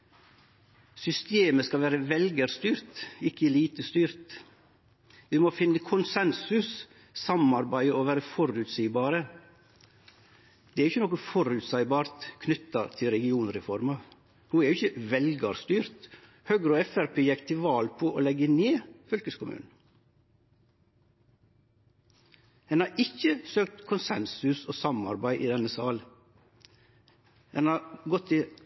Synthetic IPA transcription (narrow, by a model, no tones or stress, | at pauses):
sʏst̪eːməskɑʋæːɾəʋɛlɡəɾst̪yːɾt̪ɪkːəliːt̪əst̪yːɾt̪ | ʋɪmɔfɪnːəkʰʊnsɛnsʉs | sɑmɑɾbæɪɔʋæːɾəfɔɾʉt̪siːbɑːɾə | d̪̥ɛɾɪçːənɔkəfɔɾʉt̪sæɪbɑːɾt̪kʰnʏt̪ːɑt̪ʰɪlɾɛɡɪuːnɾɛfɔɾmɑ | huːɛɾjʊɪçəʋɛlɡɑɾst̪yːɾt̪ | høːɡɾoːɛfæɾpʰeːjɛkt̪ʰɪʋɑːlpʰoːʔoːlɛɡəneːfœlkəskʰʊmʉ̰ːnn̩ | hɛnhɑːɾʔɪçəsøːk̚t̪kʰʊnsɛnsʉsoːsɑmɑ̰ɾbæɪʔiːd̪ɛnəsɑːl | dɛnɑːɾɡɔt̪ʰːɪ